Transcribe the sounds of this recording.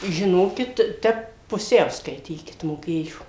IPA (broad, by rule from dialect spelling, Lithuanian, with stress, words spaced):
ʒʲɪˈnoːkʲɪt ˈtʲɛp pʊˈsʲɛʊ skɐɪˈtʲiːkʲɪt moːˈkʲeːjoː